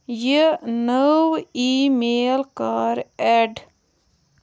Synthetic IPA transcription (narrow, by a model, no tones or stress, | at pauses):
jənəwiːmeːlkaːɾɛɖ